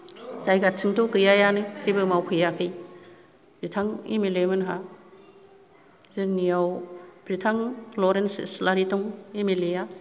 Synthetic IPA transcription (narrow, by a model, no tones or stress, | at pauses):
zajɡat̚sʰɯŋtɔkɯjajanɯzibɯmawpʰɯjakʰɯj | b̥ɾitʰaŋḭmilemɯnɦa | zɯnijawb̥ɾitʰaŋlɔɾensslaɾitɔŋimileja